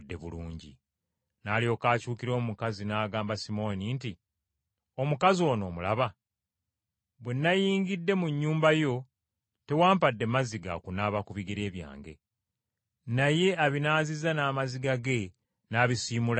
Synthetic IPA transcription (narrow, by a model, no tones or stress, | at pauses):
dːe̞̰βṵluːɲɟḭ | naːlijo̞ːkaːcuːkiɾo̞ːmukazinaːɡaːmbasimo̞ninti | o̞mukazio̞ːno̞ːmula̰βa | βwenːajiːŋɡidːe̞muɲːuːmbajo̞ | te̞waːmpadːe̞maziɡa̰kunaːβakuβiɡeɾe̞ːβja̰ːŋɡe̞̰ | naje̞aβinaːzizanaːmaziɡaɡe̞ | naːβisiːmula